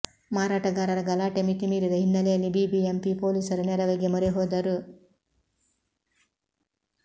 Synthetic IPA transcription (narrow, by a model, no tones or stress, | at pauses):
maːɾaːʈɐɡaːɾɐɾɐɡɐlaːʈemit̪imiːɾid̪ɐɦinːɐlejɐlːibiːbiempipoːlisɐɾunɛɾɐʋɐɡemɔɾeɦoːd̪ɐɾu